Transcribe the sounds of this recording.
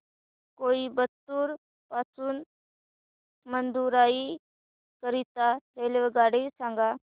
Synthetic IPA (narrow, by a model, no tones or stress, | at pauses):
koibət̪ːuːɾ | pasuːn | mənd̪uɾai | kəɾit̪aɾeleʋəɡaɽesãŋɡa